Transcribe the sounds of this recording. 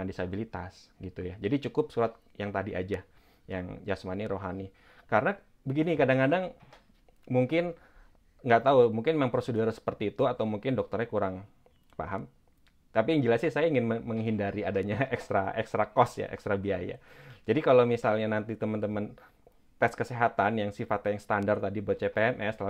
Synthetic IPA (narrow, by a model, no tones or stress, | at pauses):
andisabilit̪a̰sɡit̪ujad͡ʒadit͡ʃukʊp̚suɾat̪̚ | jaŋt̪adiʔa̰d͡ʒa | jaŋd͡ʒasmaniɾoɦani | kaɾəna | bəɡinikadaŋkadaŋ | muŋkɪn | ŋɡat̪aumuŋkɪnmaŋpɾoseduɾsə̥pərt̪iːt̪uat̪awmuŋkɪndɔk̚t̪ərɲakuɾaŋ | pa̰ɦam | t̪apijaŋd͡ʒəlasjasajaiŋɪnməməŋɦindaɾiadaɲaʔɛkst̪ɾaɛkst̪ɾakɔsja̰ʔɛ̰kst̪ɾabiaja̰d͡ʒadikalomisalɲanant̪it̪əmənt̪əmən | t̪ɛskəseɦat̪anjaŋsifat̪ajaŋsə̥t̪andart̪adib̚t͡ʃepeɛmʔɛst̪la